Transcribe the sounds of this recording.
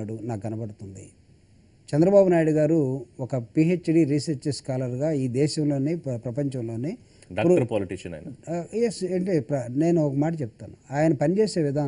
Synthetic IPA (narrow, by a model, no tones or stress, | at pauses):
aːɽunaːkɡɐnɐpɐɽut̪und̪i | t͡ʃɛnd̪ɾɐbaːbunaːjɽuɡaːɾuɔkɐpieːt͡ʃɖiɾisɐɾt͡ʃeskaːlɐɾɡaːiːd̪ɛːʃɐmlo̞ːneːpɾɐpɐɲt͡ʃɐmlo̞ːneː | ɖːuɾuɐɾɐpoːliʈiʂɐnɐ̰jnɐjeseːɳʈepɾɐne̞ːnuɔkɐmaːʈ̬ɐt͡ʃɛput̪aːnuaːjɐnɐpɐnit͡ʃeːse̞ːʋid̪ʱaː